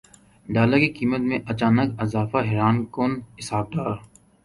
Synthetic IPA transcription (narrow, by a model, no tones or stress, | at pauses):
ɖaːlakikiːmət̪mẽʔɐt͡ʃaːnəkɐzaːfaɦɛɾaːnkoːnɦɪsaːb̚d̪aːɾ